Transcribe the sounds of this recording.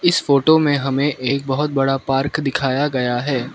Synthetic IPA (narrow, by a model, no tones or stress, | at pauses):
ɪsfoːʈomẽɦɐmẽʔeːk̚bɐɦʊt̪̚bɐɽapaːɾkd̪ɪkʰaːjaɡɐjaɦɛː